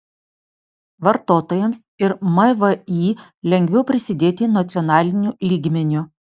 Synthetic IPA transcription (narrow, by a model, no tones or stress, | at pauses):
ʋɐɾt̪oːt̪oːjɛms | ɪɾmɐʋəiː | lʲɛŋʲɡʲʋʲɛʊpʲɾʲɪsʲɪd̪ʲeːt̪ʲinɐt̪sʲɪɔnɑːlʲɪnʲuːlʲiːɡmʲɛnʲʊ